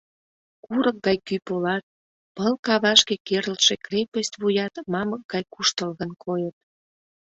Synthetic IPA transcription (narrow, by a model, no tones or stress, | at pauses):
kuɾək̚ɡɑjkypolɑt̪̚ | pəlkɑβɑʃkekerəlʃekrepəst̪βujɑt̪mɑmək̚ɡɑjkuʃt̪əlɣənkʰojət̪